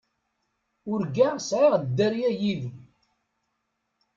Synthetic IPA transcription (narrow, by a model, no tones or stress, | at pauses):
ʊɾɡæsʕiʁd̪ːæɾjæjiðu